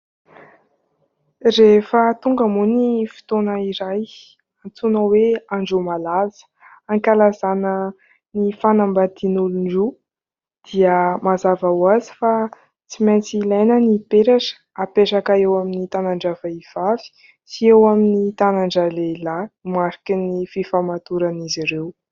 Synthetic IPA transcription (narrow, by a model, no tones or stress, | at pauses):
refət̪uŋɡəmunifi̥t̪onəiɾaj | ant͡sunəweaɳɖ͡ʐumalazə̥ | aŋkʲalazanə | nifanambad̪̥inuluɳɖ͡ʐu | d̪̥iəmazavawazi̥fa | t͡simajnt͡silajnənipeɾaʈ͡ʂə̥ | apeɾakaewaminit̪anaɳɖ͡ʐavaiv̥avi̥ | siewaminit̪anaɳɖ͡ʐaleilamaɾi̥kinififamat̪uɾaniziɾew